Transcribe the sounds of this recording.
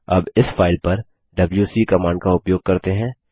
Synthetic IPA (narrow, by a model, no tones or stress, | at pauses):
ɐ̰bɪsfʰaːɪlpɐɾ | ɖɐbljusiːkɐmaːɳɖkaʊpjoːɡ̚kɐɾt̪eɦɛ̃ː